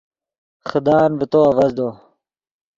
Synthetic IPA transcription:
xəd̪aːnbɪt̪oɐvɐzd̪oː

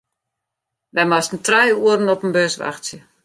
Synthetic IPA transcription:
ʋɛjmastən̩trɛjuəɾən̩ɔpənbøsʋa̰xsjə

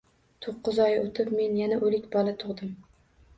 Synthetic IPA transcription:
t̪ʰoqːʊzɒjot̪ʰɪpme̞njanaʔɵlɪkʲbɒlˠat̪ʰʊʁd̪ɪm

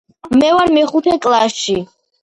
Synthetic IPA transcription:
mɛvaɾmɛχut̪ʰɛkʼlˠasʃi

